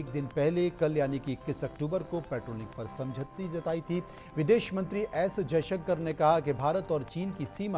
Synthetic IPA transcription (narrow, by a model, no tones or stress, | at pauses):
k̚d̪ɪnpɛɦlekɐljaːnikiɪkːɪsɐkʈuːbəɾkopɛːʈɾoːnɪk̚pɐɾsɐ̃md͡ʒʱət̪id͡ʒɐt̪aːit̪ʰi | ʋɪd̪eːʃmɐ̃nt̪ɾiʔɛːsd͡ʒɐjʃəkkəɾnekɐɦakebʱaːɾət̪ɔːɾt͡ʃiːnkisiːma